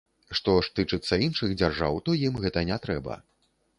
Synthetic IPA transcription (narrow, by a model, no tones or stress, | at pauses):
ʂt̪ɔʂt̪ɨt͡ʂɨt̪sːɐinʂɨɣd͡zʲarʐa̰wt̪ɔjimɣɛt̪ɐnʲɛt̪ɾɛbɐ̰